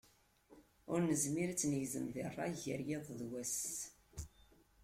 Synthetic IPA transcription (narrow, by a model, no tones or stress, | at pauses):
ʊɾnəzmiɾt͡sːnəʝzəmðirˤːɑ̰ʝəɾjeðˤðwæs